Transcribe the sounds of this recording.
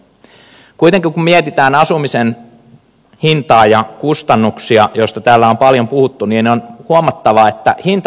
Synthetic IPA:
kuit̪eŋkiŋkummiet̪it̪æːnɑsumisen | hint̪ɑːjɑkust̪ɑnːuksiɑjost̪ɑt̪æːlːæompɑljompuhut̪ːuniːneonhuomɑt̪ːɑʋɑet̪ːæhint̪

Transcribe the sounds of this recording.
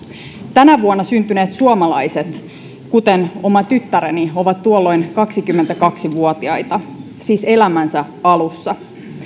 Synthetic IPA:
t̪ænæʋuonːɑsynt̪yne̞ːt̪suomɑlɑjset̪ | kut̪eno̞mɑt̪yt̪ːæɾenio̞ʋɑt̪t̪ːuolːo̞jnkɑksikymːe̞nt̪ækɑksiʋuot̪iɑjt̪ɑ | siːse̞læmænsæ | ɑlusːɑ

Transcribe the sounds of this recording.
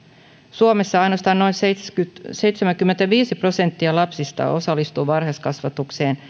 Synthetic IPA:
suomesːɑɑjnost̪ɑːnno̞insetkyt̪sejt̪semæŋkymːent̪æʋiːsipro̞sent̪ːiɑlɑpsist̪ɑ̰ʔo̞̰sɑlːˑist̪uːʋɑrheskɑsʋɑt̪ukse̞ːn

